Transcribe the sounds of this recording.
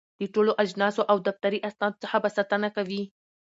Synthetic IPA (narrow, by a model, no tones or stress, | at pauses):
d̪̥əʈoloʔad͡ʒnɑsoʔawd̪aft̪aɾiʔasnɑd̪ot͡səxabasɑt̪ənakawi